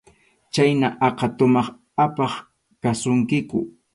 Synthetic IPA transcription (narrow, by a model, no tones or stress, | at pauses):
t͡ʃajnaʔɑqɑt̪ʊmɑχ | apɑχ | kasʊŋkɪkʊ̰